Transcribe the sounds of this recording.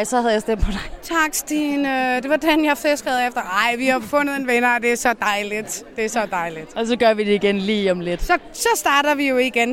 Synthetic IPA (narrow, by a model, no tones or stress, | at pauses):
ɪsɒhæðˠjaɪsd̥em̰pʰɒd̥ɑ̈ɪt͡sʰɑ̈ɡ̥sd̥iːnød̥e̝ʋɑ̈d̥enjɑ̈ɪfesɡ̥əðˠefd̥ɐɑ̈ɪ̰ʋihɑ̈bfɔ̽nð̩ˠe̝nʋenɐd̥e̝æɐsɒ̽d̥ɑ̈ɪlid̥d̥e̝ɐsɒ̽d̥ɑ̈ɪlid̥ɒ̽s̬ɒ̽ɡ̥ɶɐʋid̥eiɡ̥enliːɒmle̝d̥sɒ̽sɒ̽sd̥ɑ̈ːɾ̥ɐðʋijo̝iɡ̥en